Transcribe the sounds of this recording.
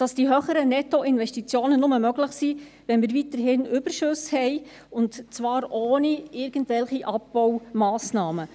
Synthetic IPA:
d̥ɑsd̥iɦøχəɾənɛtoɪnvɛʃtit͡sjoːnənʊməmœɡlɪχsiː | ʋɛnmiːɾvitəɾɦɪnʔʏb̥əɾʃʊshɛɪ | ʊntt͡sʋɑːɾʔoːniɪɾɡ̥ən̩tvɛlχiʔɑp̚bɔwmɑːsnɑːmə

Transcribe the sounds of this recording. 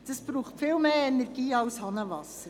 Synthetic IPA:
d̥ɑsb̥ɾuːχtfɪlmeːɛnɛɾɡ̥iːɑʊshɑnəʋɑsəɾ

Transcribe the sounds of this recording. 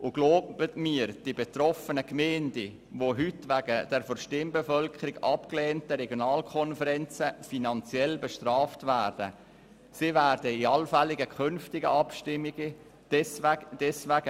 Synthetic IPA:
ʔʊɡ̥loːbb̥ətmiːɾd̥ibetrɔfənəkmɛːndi | voɦytʋæɡəd̥ɛɾfɔɾʃtɪmbefœlkʰəɾiɡɑpkleːntəɾɛɡjonɑːlkʰɔnfəɾɛnt͡səfinɑnt͡sjɛlbeʃtrɑːftvæːrd̥ə | sivæːɾdəiɑlfælɪɡəkʰʏnftɪɡə̰ʔɑpʃtɪmiɡə | d̥ɛsʋæɡ̥ə

